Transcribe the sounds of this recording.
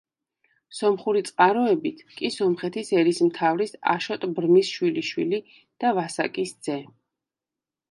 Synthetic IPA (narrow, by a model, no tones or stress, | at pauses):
sɔmχuɾit̪sʼqʼaɾɔɛbit̪ʰkʼisɔmχɛt̪ʰisɛɾismt̪ʰavɾisa̰ʃɔt̪ʼbɾmisʃwiliʃwḭli | d̪̥avasakʼisd̪z̥ɛ